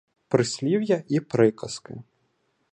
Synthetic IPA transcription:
pɾɨsʲlʲiwjɐʔipɾɨkɐskɨ̰

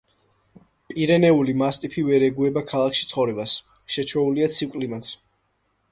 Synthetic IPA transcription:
pʼiɾɛnɛulimast̪ʼipʰivɛɾɛɡuɛbakʰalˠakʰʃit̪sʰχɔvɾɛbas | ʃɛt͡ʃʰɛuliat̪sʰikʼlimat̪sʰ

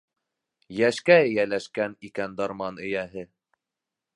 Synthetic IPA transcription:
jæʃkæɘ̆jælæʃkænikænd̪ɑɾmɑnɵ̆jæɦɘ

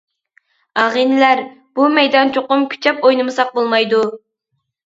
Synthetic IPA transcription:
ɑʁinɪlæɾ | b̥umɛjd̪ɑnt͡ʃʰoqʊmkʲʰy̥t͡ʃʰɛpojnɨmɨsɑq̚bolˠmɑjd̪u

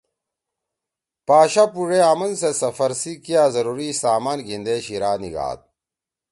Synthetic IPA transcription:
paːɕapuʐeamɐnsesɐfɐɾsikiaːzɐɾuːɾisaːmaːnɡind̪eːɕiɾaːnḭɡa̰ːt̪̚

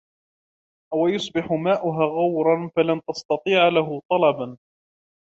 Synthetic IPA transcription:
wajʊsˤbɪħʊmaːʔʊɦaːɣawɾˤɑnfalant̪ɑst̪ɑt̪ˤiːʕalaɦʊt̪ˤɑlɑban

